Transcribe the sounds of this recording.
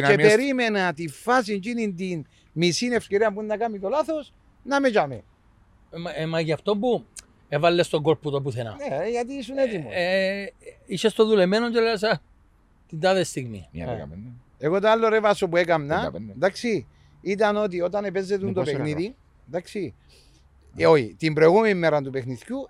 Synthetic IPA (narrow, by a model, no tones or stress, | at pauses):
nepeɾimenɐt̪ifas̬int͡ʃinind̪in | misinefceɾiɐmpunːɐkamit̪olaθo̞s | nɐmet͡ʃamḛn | memːacaft̪ombu | evalːest̪oɡoɾput̪op̬uθena̰neʝat̪̬iːsunet̪imo | iʃest̪oðulemenond͡ʒelesa | t̪ind̪aðest̪iɣmḭ | eɣot̪oalːoɾevɐsopuekɐmnɐd̪aksi | it̪̬ɐnot̪̬io̞t̪ɐnepe̞zet̪unt̪opekniði | nd̪aksi | oçḭt̪imbɾoeɣumenimːeɾɐnt̪upexniθcu